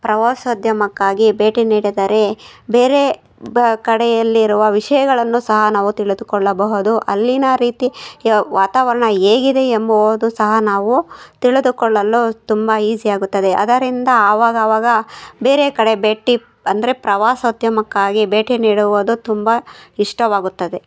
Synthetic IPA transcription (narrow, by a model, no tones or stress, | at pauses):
pɾɐʋaːsɐd̪ʱjɐmɐkːaːɡibe̞ːʈiniːɽid̪ɐɾe̞be̞ːɾe̞ | kɐɽɛjɐlːiːɾuʋɐʋiʂɐjɐɡɐɭɐnːusɐɦɐnaːʋut̪iɭud̪ukɔɭːɐbɐɦud̪uʔɐlːinɐɾiːt̪iʋaːt̪aːʋɐɾɐɳɐeːɡid̪e̞embɐʋod̪usɐɦɐnaːʋut̪iɭed̪ukɔɭːɐlːut̪umbɐiːd͡ʒijaːɡut̪ːɐd̪eʔɐd̪ɐɾind̪ɐːʋaːɡɐʋaːɡɐbe̞ːɾe̞kɐɽe̞beːʈi | ɐnd̪ɐɾe̞pɾɐʋaːsɐud̪jɐmɐkːaːɡibeːʈiniːɽuʋod̪ut̪umbɐiʂʈɐʋaːɡut̪ːɐd̪e̞